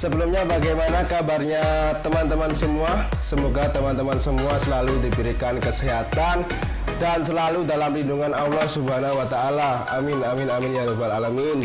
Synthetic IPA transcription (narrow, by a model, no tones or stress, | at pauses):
səbəlumɲabaɡajmanakabarɲat̪əmant̪əmansəmua | səmoɡat̪əmant̪əmansəmuasəlaludipiɾikankəsəɦat̪an | dansəlaludalamlinduŋanalɔhsubanawat̪aːla | amɪnamɪnamɪnjalobalalamin